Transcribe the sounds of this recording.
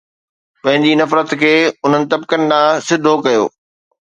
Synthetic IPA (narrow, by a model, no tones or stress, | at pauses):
pɐ̃ɦɪ̃ɲd͡ʑinɐfɾət̪kʰeːʊn̤ənɪ̆t̪ɐbkənɪ̆ɗãːsɪd̪ʱokɐjo̰ː